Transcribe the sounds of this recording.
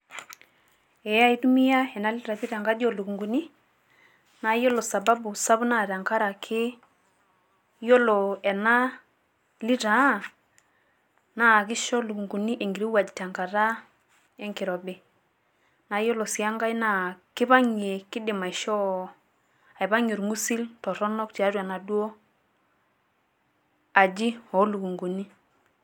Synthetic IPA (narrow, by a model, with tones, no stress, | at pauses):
ɛ˨a˦˨i˦tu˦mi˦ja˦ɛ˨na˦li˦ɾa˨pi˦ɾa˨ŋɡa˦d͡ʒɔ˦˨lu˨ku˨ŋɡu˨ni˦ | na˨˦jɔ˦lo˨sa˨ba˦bu˨sa˦bu˦na˨ɾa˨ŋka˦ɾa˨kʰɪ˦ | jɔ˦lɔ˨ɛ˨na˦ | li˦ɾa˨˦ | na˦˨k̬ɪ˦ʃɔ˦lu˨ku˨ŋɡu˨ni˦ʔe˨ŋɡi˨ɾi˦wa˨d͡ʒi˨ta˨ŋka˨ɾa˦ | ɛ˦ŋkɪ˨ɾɔ˨bɪ˨ | na˨jo˦lo˨si˨a˦ŋɡa˦jna˦kɪ˦ba˦ɲe˨kɪ˦dɪ˨ma˨ɪ˨ʃɔ˦ | a˨ɪ˨ba˦ɲo˨ɾŋu˦si˦ltɔ˨ɾɔ˦nɔ˦k̚ti˨a˨˦ɾwa˨na˨do˦ | a˨d͡ʒi˦ɔ˨˦lu˨ku˨ŋɡu˨ni˦